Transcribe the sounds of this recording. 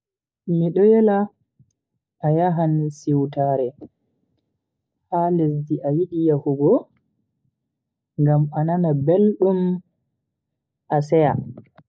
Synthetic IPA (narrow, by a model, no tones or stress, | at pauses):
miɗɔjɛla | ʔːjaɦansiwtaːɾɛ | hales̬diʔajiɗijahuɡɔ | ŋɡamananabelɗum | ʔasɛja̰